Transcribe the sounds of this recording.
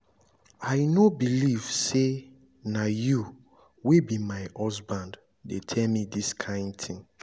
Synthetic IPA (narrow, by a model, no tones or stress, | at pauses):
aɪnobiliv̥se | naju | webimaɪʔɔsbãnd | detʰɛlmidiskʰãɪ̃ndtʰĩŋ